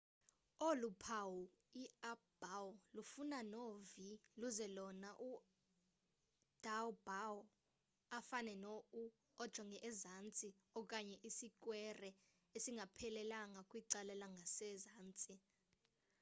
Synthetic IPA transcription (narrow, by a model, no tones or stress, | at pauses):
olupʰawu | iab̥awlufunanoviluzɛlɔnaʔu | d̥ʱawbaw | afanɛnou | ɔd̥ʒ̥ʱɔŋʱɛʔɛzant͡sʼi | ɔkʼaɲɛʔisikʼwɛrɛ | esiŋɡʱapʰɛlɛlaŋakʼwiǀalɛlaŋɡʱasɛzaːnt͡sʼi